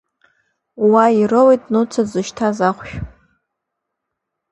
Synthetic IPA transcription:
wairowejtʼnut͡sʰazɨʃtʰazaχʷʃᶣ

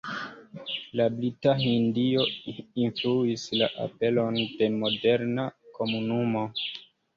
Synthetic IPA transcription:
lablitaɦindio̞influislaʔa̰pe̞lo̞nde̞mo̞de̞ɾnako̞munumo̞

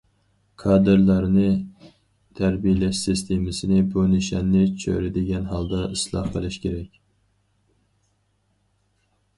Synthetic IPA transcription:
kʰɑːd̪ɨɾlˠɑɾnɨ | t̪ʰæɾbijlɛʃsist̪ʰemɪsɪnɪbunɪʃɛnːɪt͡ʃʰø̰ɾɪd̪ɪɡʲɛnɦɑlˠd̪ɑʔislˠɑ̰hqəlˠɪʃkʲʰeɾɛkʲ

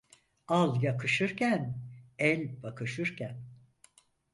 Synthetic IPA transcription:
alˠjakʰɯʃɯɾcʰænɛlʲbakʰɯʃɯɾcʰæn

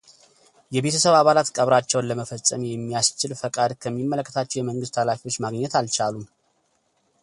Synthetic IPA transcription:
jɛβe̞t̪ʰəsəβaβalat̪kʼəβɾat͡ʃːɛwnləməfəsʼːəmjɛmːijast͡ʃɪlfəkʼad̪kʰəmːimːələkːət̪ʰat͡ʃːɛwjɛməŋɡɨst̪ʰalafiwo̞t͡ʃːmaɡɲɛt̪alt͡ʃalum

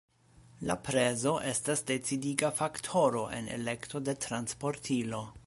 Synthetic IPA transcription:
la̰pɾe̞zo̞ʔe̞stasde̞t͡sidiɡafaktʰo̞ɾo̞ʔe̞̰ne̞̰le̞kto̞de̞tɾanspo̞ɾtʰilo̞

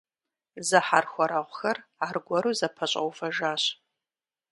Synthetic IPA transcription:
zɐħarxʷɔɾaʁʷʊxɐraːrɡʷɔɾuːzɐpʰɐɕʼɐ̰wfɐʒaːɕ

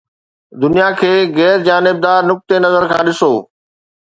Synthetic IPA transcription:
d̪ʊnijakʰeːɣɛːɾd͡ʑaːnɪb̚d̪aːɾnʊk̚t̪enɐzəɾkʰãːɗɪsoː

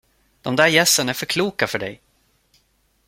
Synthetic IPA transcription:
d̪̥ɔmd̪æːɾjɛsːənæɾfœɾkʰluːkafœɖɛ̰j

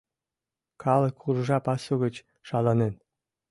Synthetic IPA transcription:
kɑlˠɤ̆kːurʐɑpɑsoɣə̆t͡ɕ | ʃɑlɑnen

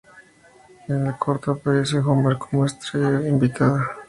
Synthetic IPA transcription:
enlakʰoɾt̪apaesexomeɾkʰomwest̪ɾeimbit̪aða

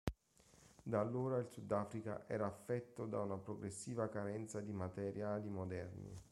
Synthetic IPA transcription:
d̪alːoːɾailsud̪ːaːfɾika̰ʔɛ̰ːɾaːfːɛt̪ːod̪aunapɾoɡɾesːiːvakaɾɛnt̪sad̪imat̪ɛɾjaːlimod̪ɛrnḭ

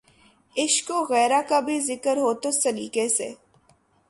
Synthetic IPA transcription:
ɪʃkoɣɛːɾakabʱizɪkəɾɦoːt̪osɐɾiːkesḛː

